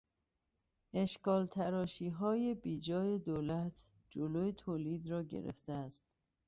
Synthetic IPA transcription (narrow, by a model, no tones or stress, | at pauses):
e̞ʃkɒːlt̪ʰæɾɒːʃiːɦɒːjebiːd͡ʒɒːje̞d̪oːlæt̪ʰ | d͡ʒoloːjet̪ʰoːliːd̪ɾɒːɟḛɾḛft̪eæst̪